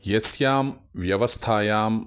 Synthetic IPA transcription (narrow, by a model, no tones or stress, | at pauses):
jɐsjaːmʋjɐʋɐst̪ʰaːjaːm